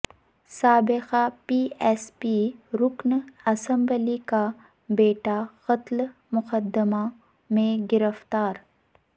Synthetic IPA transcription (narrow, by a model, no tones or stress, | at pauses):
saːbɪqapiːespiɾʊknɐsɐ̃mbəlika | beːʈaqɐt̪l | mʊqəd̪əma | mẽɡɪɾəft̪aːɾ